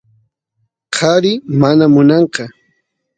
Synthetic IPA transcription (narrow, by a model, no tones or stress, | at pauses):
qʰɑɾɪmanamʊnɑɴqɑ